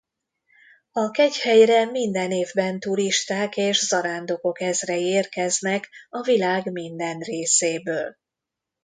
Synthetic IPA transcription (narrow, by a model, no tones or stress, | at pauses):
ɒkɛchɛjrɛmind̪ɛneːvbɛnt̪uɾiʃt̪aːkeːʃzɒɾaːnd̪o̞ko̞kɛzrɛeːrkɛznɛkɒvilaːɡmind̪ɛnreːseːbøːl